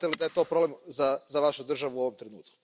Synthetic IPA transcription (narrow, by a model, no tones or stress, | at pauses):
t̪elid̪aje̞t̪o̞ːpɾoblemzazaʋaʃud̪r̩ʒaʋuuoʋo̞mt̪ɾenṵːt̪̚ku̥